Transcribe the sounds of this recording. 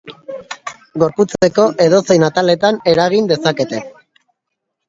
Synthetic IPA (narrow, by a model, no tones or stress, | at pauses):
ɡo̞ɾput͡se̞ko̞ʔe̞ðo̞se̞jnat̪ale̞t̪ane̞ɾaɣind̪e̞sake̞t̪e̞